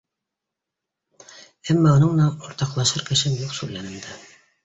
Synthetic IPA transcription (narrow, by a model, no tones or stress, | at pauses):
æmːæunɤɴm̆nɑnŏɾt̪ɑqlˠɑʃɤɾkɘ̆ʃɘnjuqsʉɾlænɘ̆md̪ɘ